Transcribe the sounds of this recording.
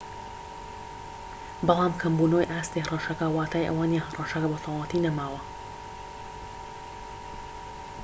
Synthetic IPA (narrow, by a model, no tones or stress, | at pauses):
bɑlˠaːmkʰɐmbuːnojʔaːst̪ihɦɐrˤɑʃɐkɐwaːt̪ʰaːjʔɐ̰waːnjanɦɐrˤɑʃɐkɐbot̪ʰoːlˠɐt̪inɐmaːwɐ